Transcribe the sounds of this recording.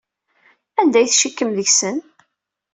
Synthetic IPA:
ænd̪æjθʃikːəmðəçsən

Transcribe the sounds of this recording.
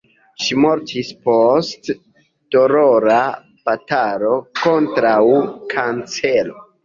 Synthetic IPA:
ʃimo̞ɾtʰispostː | oɾoɾa | pataɾo̞ko̞ntɾawkʰant͡se̞lo

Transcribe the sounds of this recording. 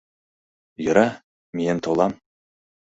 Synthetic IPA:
jɵ̆ɾɑ | mient̪ʰolˠɑm

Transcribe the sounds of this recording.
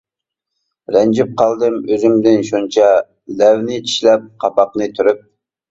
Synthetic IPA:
ɾɛnd͡ʒɪp̚qʰɑlˠd̪ɨmøzɪmd̪ɪnʃunt͡ʃʰɑ | lɛwnɪt͡ʃʰi̥ʃlɛp̚qʰɑpɑqnɨt̪ʰyɾyp̚

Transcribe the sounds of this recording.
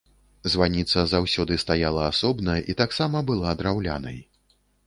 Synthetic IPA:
zvanʲit̪sɐzawsʲɔd̪ɨst̪ajalˠɐːsɔbnɐjʔit̪aksamɐbɨlˠad̪ɾawlʲa̰nɐ̰j

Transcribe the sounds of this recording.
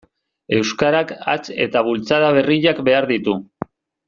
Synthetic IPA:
e̞wskaɾaka̰t͡se̞̰t̪aβ̞ult͡saðaβ̞e̞riʎakbe̞aɾðit̪u

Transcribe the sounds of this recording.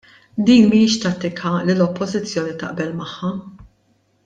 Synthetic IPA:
d̪iːnmijɪʃt̪ɐt̪ːɪkʰɐlɪlɔpːɔzɪt͡sːjɔːnit̪ɐ̰ʔbɛlmɐħːɐ

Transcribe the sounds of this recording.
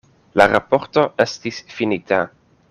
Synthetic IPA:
laɾapo̞ɾto̞ʔe̞stisfinitʰa

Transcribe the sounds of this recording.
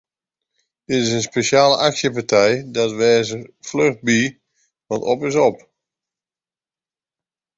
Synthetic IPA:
d̥ɪtɪsənspesjaːləʔaksjəp̬atʰɛjdɔtʋɛːzəfløχt̚bi | ʋɔtɔ̰pɪsɔp

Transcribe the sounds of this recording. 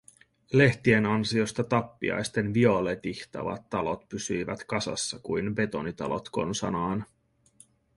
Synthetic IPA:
le̞ht̪ie̞nɑnsio̞st̪ɑt̪ɑpːḭɑ̰jst̪e̞nʋio̞let̪içt̪ɑ̰ʋɑ̰t̪ːɑlo̞t̪pysyjʋæt̪kɑsɑ̰sːɑkujnbe̞t̪o̞nit̪ɑ̰lo̞̰t̪ko̞̰nsɑ̰nɑːn

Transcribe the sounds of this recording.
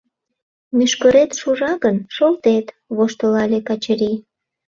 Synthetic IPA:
myʃkəɾet̪ʃuʒɑɣənʃolt̪et̪ | βoʃt̪əlɑlʲekɑt͡ɕəɾi

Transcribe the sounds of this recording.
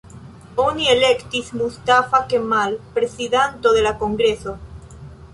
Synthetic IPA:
onielekt̪ismust̪afakemalpɾesiðant̪oðelakoŋɡɾeso

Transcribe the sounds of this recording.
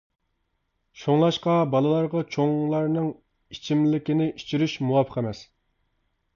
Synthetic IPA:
ʃoŋlˠɑʃqɑbɑlˠɨlˠɑɾʁɑt͡ʃʰoŋlˠɑɾnɨŋ | it͡ʃʰimlɪkʲinɪʔit͡ʃʰiɾyʃmuwɑpʰə̥qʰæmɛs

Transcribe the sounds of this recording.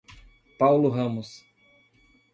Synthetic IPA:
pawlʊɦɐ̃mʊs

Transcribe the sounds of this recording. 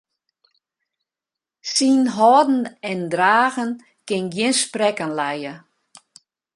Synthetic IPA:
sinɦɔːdn̩ɛndraːɣən | kɪnɡjɪnsprɛkənlɛjə

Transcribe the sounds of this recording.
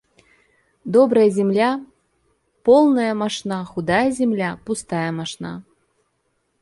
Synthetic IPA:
d̪ɔbɾɐjɐzʲɛmlʲa | pɔlˠnɐjɐmaʂnaxud̪ajɐzʲɛmlʲapust̪ajɐmaʂna̰

